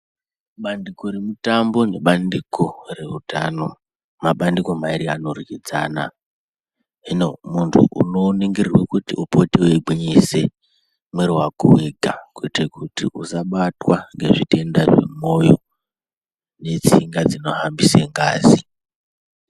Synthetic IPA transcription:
ɓandikoɾimutambo̞ne̞ɓandikore̞utano̞ | maɓandiko̞maiɾiano̞rikid͡za̰ːna̰ | inomuntʰṵʔṵnoniŋɡirirwekutḭʔupoteweiɡ͡bʱiɲise̞ | mweɾuwakuwe̞ɡʱakwetekutiʔusaɓatwaŋɡe̞ʐite̞ndaʐḛmo̞jo̞ | ne̞t͡siŋɡad͡zino̞hambiseŋɡaːzi

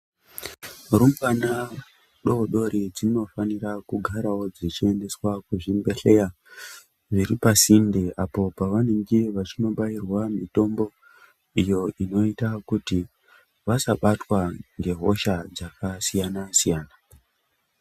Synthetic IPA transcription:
rumbana | ɗo̞ɗo̞ɾid͡zino̞fanirakuɡʱaɾawo̞d͡zit͡ʃie̞nde̞swakuʐimbe̞ɬe̞ja | ʐiɾipasindeʔapo̞paʋane̞ŋɡeʋat͡ʃino̞ɓairwamito̞mbo̞ | ijo̞ʔino̞itakuti | ʋasaɓatwaŋɡe̞ɦo̞̰ʃad͡zakasijanasijaːna

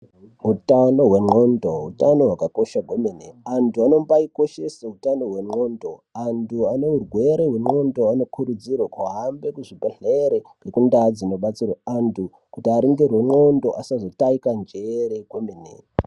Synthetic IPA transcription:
ɦutano̞ɦwe̞mŋ͡ǃondoɦṵtano̞ɦwakako̞ʃaɡʱwemineantʰuano̞mbaiko̞ʃe̞seutano̞ɦwe̞ŋ͡ǃo̞ndoantʰuaneurwe̞ɾeɦwe̞ŋ͡ǃo̞ndo̞ano̞kʰuɾud͡zirwakuɦambe̞kuʐibʱeɮeɾeɡ̥ekundad͡zino̞ɓat͡sirwaantʰu | kutiaɾiŋɡerweŋ͡ǃo̞ndo̞ʔasazo̞taikand͡ʒeɾekweminḛ

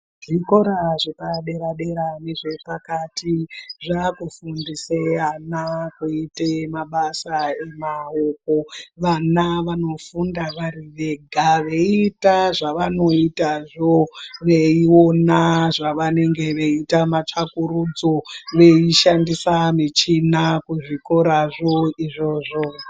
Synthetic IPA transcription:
ʐiko̞ɾaʐepaɗe̞ɾaɗe̞ɾaneʐe̞pakatʰiʐakufundiseanakuitemaɓasaemaoko̞ʋanaʋano̞fundaʋaɾiʋe̞ɡʱaʋe̞itaʐaʋano̞itaʐo̞ʋe̞io̞naʐaʋane̞ŋɡe̞ʋe̞itamat͡ʂakuɾud͡zo̞ʋe̞iʃandisamit͡ʃinakuʐiko̞ɾaʐo̞iʐo̞ʐo

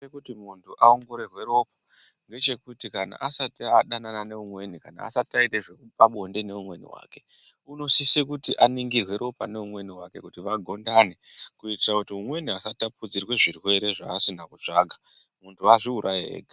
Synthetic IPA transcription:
ekutimuntʰuʔaoŋɡo̞ɾe̞rwe̞ɾo̞p̚a | ŋɡe̞t͡ʃe̞kutikana̰ʔasatiaɗananane̞umwe̞nikana̰a̰satiaiteʐeupaɓonde̞ne̞umwe̞nḭwa̰ːke̞ | uno̞sisekutiʔaniŋɡirwe̞ɾʔo̞pa̰ne̞umwe̞niwake̞kutiʋaɡʱo̞ndane̞kuitirakutiumwe̞niasatapud͡zirwe̞ʐirwe̞ɾe̞ʐaːsinakut͡ʂaːɡʱamuntʰuaʐiuɾʔajiɦḛːɡʱe

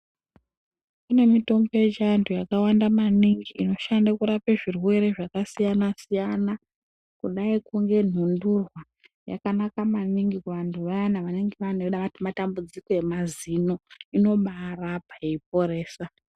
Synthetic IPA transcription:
kune̞mito̞mboed͡ʒantʰujakawandamaniŋɡiːno̞ʃandakuɾapeʐirwe̞ɾe̞ʐakasijanasijana | kuɗaikuŋɡe̞n̤undurwa | ja̰kanakamaniŋɡikuʋantʰuʋajanaʋaniŋɡeʋan̤oɗaatmatambud͡ziko̞e̞mazino̞ino̞ɓarapaeip̚o̞ɾe̞ːsa

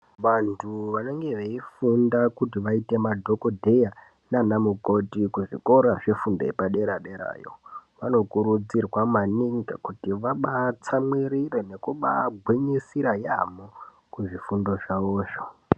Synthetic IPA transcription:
ʋantʰuʋane̞ŋɡe̞ʋeifundakutiʋaite̞madʱo̞ko̞dʱe̞ja | nanamuko̞tikuʐḭko̞ɾaʐe̞fundoḛpaɗe̞ɾaɗeɾa̰ːjo̰ʋano̞kuɾud͡zirwamaniŋɡakutiʋaɓat͡samwiɾirene̞kuɓaɡʱweɲesiɾajamo | kuʐifundo̞ʐaoːʃo̥

